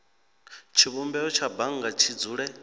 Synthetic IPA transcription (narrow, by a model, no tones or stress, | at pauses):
t͡ʃʰiβumbɛɔt͡ʃʰabaŋɡat͡ʃʰid͡zuːɺɛ